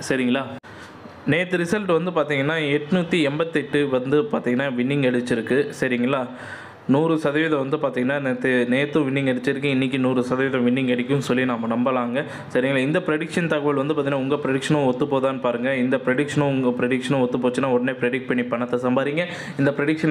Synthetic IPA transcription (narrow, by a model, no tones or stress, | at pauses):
sɐɾɪŋɡɐɭaː | neːt̪ːɯɾɪsɐlʈɯʋɐnd̪ɯpaːɾt̪iːŋɡɐnːaːɛʈːɯnuːt̪ːiɛmbɐt̪ːɛʈːɯʋɐnd̪ɯpaːɾt̪iːŋɡɐnːaːʋɪɳːɪŋɡɛɽɯt͡ʃːɪɾɯkːɯsɐɾɪŋɡɐɭːaː | nuːɾɯsɐðɐʋɪːðɐ̃ʋɐnd̪ɯpaːɾt̪iːŋɡɐnːaːnet̪ːɯneːt̪ːɯ̃ʋɪɳːɪŋɡɛɽɯt͡ʃːɪɾɯk̬ːɯ̃ɪnːɪk̬ʲːinuːɾɯsɐðɐʋɪðɐ̃ʋɪɳːɪŋɡɛɽɪk̬ʲːɯ̃nsɔlːinaːmɐnɐmbɐlaːŋɡɐ | sɐɾɪŋɡɐɭaːɪnd̪ɐpɾɛɽɪkʂɐnt̪ɐɣɐʋɐlʋɐnd̪ɯpaːɾt̪iːŋːɐnaːʊŋɡɐpɪɾɛɽɪkʂɐnʊ̃ɔt̪ːɯpoːt̪ãːnɯpaːɾɯŋɡɐɪnd̪ɐpɾɛɽɪkʂɐnʊ̃ʊŋɡɐpɪɾɛɽɪkʂɐnʊ̃ɔt̪ːɯpoːt͡ʃːɯnːaːɔɽɐneːpɪɾɛɽɪk̚pɐɳːipːɐɳːɐt̪ːɐsɐmbaːɾiːŋɡɐ | ɪnd̪ɐpɪɾɛɽɪkʂɐn